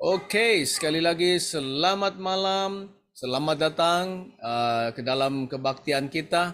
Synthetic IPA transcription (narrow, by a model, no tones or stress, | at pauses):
ʔokejsə̥kalilaɡisəlamat̪̚malam | səlamat̪̚dat̪aŋəkədalamkəbak̚t̪iankit̪a